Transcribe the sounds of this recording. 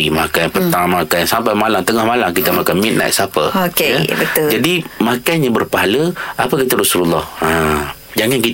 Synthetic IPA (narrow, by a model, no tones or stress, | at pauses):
imakajpət̪aŋmakajsampajmalamt̪əŋahmalaŋkit̪amakanmit̪̚na̰jt̪sapə̰okeabət̪ʊd͡ʒadimakajnɲabərpaɦaləʔapəkit̪aɾasululːɔha | d͡ʒaŋanki